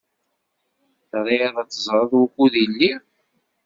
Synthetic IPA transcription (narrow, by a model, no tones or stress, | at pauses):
θɾˤiðˤɑt͡sːəzˤɾˤəðˤwukːuðilːi